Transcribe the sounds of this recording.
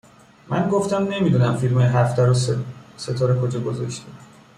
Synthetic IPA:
mʔænɡoft̪æmne̞miːd̪uːnæmfilmɒɦæft̪ʰæɾose̞t̪ʰɒːɾekʰod͡ʒɒːɡozɒʃt̪ʰi

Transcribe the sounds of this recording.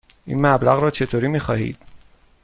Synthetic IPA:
ʔḭːnmæblæɣɾɒːt͡ʃʰe̞t̪ʰoːɾiːmiːxɒːhḭːd̪̥

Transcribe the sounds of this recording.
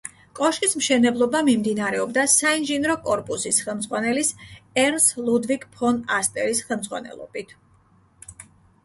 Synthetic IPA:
kʼɔʃkʼismʃɛnɛblˠɔbamimd̪inaɾɛɔbd̪asainʒinɾɔkʼɔɾpʼusisχɛlˠmd̪zʁwanɛlisɛɾnslˠud̪vikʰʼpʰɔnast̪ʼɛɾisχɛlˠmd̪zʁwa̰nɛ̰lˠɔ̰b̥it̪ʰ

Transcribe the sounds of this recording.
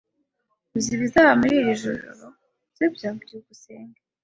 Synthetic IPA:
iziβizaβamuɾiɾiʒo̰ɾo̰ɾo | z̥ebjaːɟuɡuseːŋɡa

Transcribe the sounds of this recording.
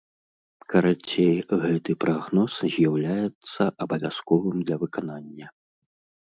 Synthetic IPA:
kɐɾat͡sʲejɣɛt̪ɨpɾaɣnɔszʲjawlʲajɛt̪sːɐʔɐbɐvʲaskɔvɨmd̪lʲɐvɨkananʲːɐ

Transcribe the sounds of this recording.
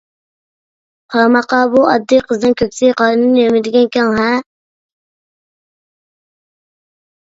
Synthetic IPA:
qʰɑɾmɑqɑbuʔɑd̪ːɨqʰəznɨnkʲøkʲsɪqʰɑɾɨnɨnjømɪd̪ɪɡʲɛnkʲʰɛŋɦɛ

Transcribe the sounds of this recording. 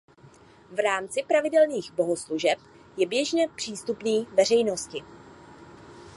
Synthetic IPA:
vɾaːmt͡sɪpɾavɪdɛlniːɣbo̞ɦosluʒɛp | jɛbjɛʒɲɛpr̝̥iːst̪upniːvɛr̝ɛjno̞scɪ

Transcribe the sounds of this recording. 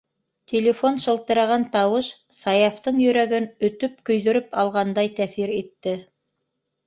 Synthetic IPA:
t̪ʲʰelʲefo̞nʃɤ̆lˠt̪ɤ̆ɾɑʁɑnt̪ɑwɤʃ | sɑjɑft̪ɤɴjɵ̆ɾæɡɘnɵ̆t̪ɵp̚kɵ̆jðɵ̆ɾɵpɑlˠʁɑnd̪ɑjt̪æθiɾit̪ːɘ

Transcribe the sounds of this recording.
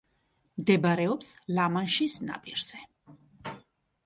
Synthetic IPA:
md̪ɛbaɾɛɔpslamanʃisna̰pʼiɾz̥ɛ

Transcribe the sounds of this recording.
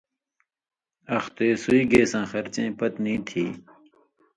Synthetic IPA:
ɐxt̪eːsuiɡeːsãːxɐɾt͡ɕẽːpɐt̪nĩːt̪ʰiː

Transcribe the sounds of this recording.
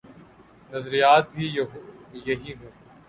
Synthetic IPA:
nɐzɾijaːt̪̚bʱi | jɐɦiɦõː

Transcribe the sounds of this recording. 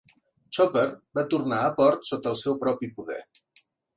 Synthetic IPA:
t͡ʃɔpəɾbat̪urnaəpɔɾt̪sot̪əːlˠsɛwpɾɔpipuðɛ̰

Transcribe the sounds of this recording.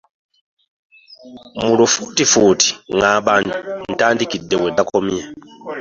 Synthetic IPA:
mulufutifuːti̥ŋaɓandun̩taːndikidːewedakomja

